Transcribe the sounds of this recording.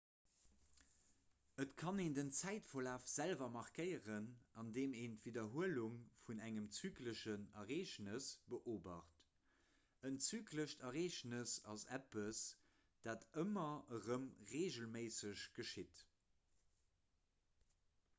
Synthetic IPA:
ətkʰɑneːndənt͡sæɪtfolaːfz̥ælvɐmɑʁkəɪjəʁənɑndeːmeːntv̥idɐɦuəluŋfunæŋəmt͡syːkləʃənɐʁeːʃnəsb̥əʔoːbɐχt | ənt͡syːkləʃtʰɐʁeːʃnəsɑsæpəs | d̥aːtəmɐəʁəmʁeːʒəlmeɪsəɕɡ̥əʃit

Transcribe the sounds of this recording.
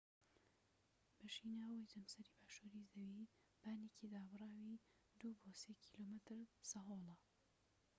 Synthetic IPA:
b̥ɐʃiːnaːwəjzɐmsɐɾibaːʃuɾizɐwi | b̥aːnecʰid̪aːbɨrˤaːwi | d̪uboːsekʰiloːmɨt̪ɨɾsɐɦoːlˠɐ

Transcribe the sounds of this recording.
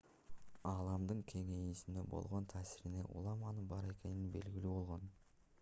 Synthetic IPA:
ɑlˠɑmd̪ɯɴkʲʰe̞ŋe̞jisind̪e̞bo̞̰lˠʁo̞nt̪ʰæːsiɾine̞̰ʔṵlˠɑmɑnɯbɑɾe̞ke̞ninbe̞lɡʲilybo̞lˠʁo̞n

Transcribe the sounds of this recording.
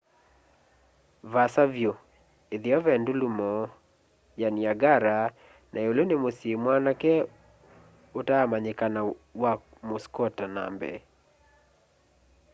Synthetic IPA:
vasavjo | eðjɔvɛndulumɔ | janiaɡaɾa | nʔaolonemosimwanakɛ | otaamaɲɪkanawak | moskɔtana̰mbɛ̰

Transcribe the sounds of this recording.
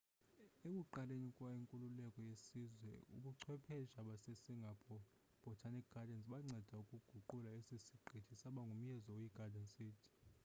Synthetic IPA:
ekʼuǃalenikʼwaiŋkʼululɛkʼɔjesizwɛ̰ṵkʼuǀʰwɛpʰɛʒaɓasesiŋɡʱapʰɔ | b̥ʱɔtʰanik̚ɡadʱɛnsʼɓaŋ͡ǀʱɛd̥ʱaukʼuɡ̥ʱuǃulaesisiɡ͡ǃʱitʰisaɓaŋɡʱum̩jɛzɔjiɡ̥ʱadʱɛnsʼiːtʰi̥

